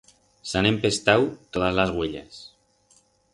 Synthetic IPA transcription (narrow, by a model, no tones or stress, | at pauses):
sanempest̪awt̪oðazlazɣweʎa̰s